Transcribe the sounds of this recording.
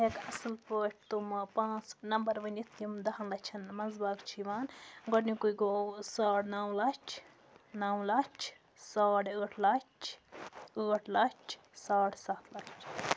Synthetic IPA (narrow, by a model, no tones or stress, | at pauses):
ɦekɐsɐlpəːʈ̚ʰt̪umpãːt͡snɐmbɐɾʋɐnʲit̪ʰjimd̪ɐɦɐnlɐt͡ʃʰɐnmɐzbaːkt͡ʃʰiʋaːnɡɔɽnikuiɡoːsaːɽnaːwlɐt͡ʃʰ | naːwlɐt͡ʃʰ | saːɽəːʈʰlɐt͡ʃʰ | əːʈʰlɐt͡ʃʰ | saːɽʰsaːt̪ʰlɐt͡ʃʰ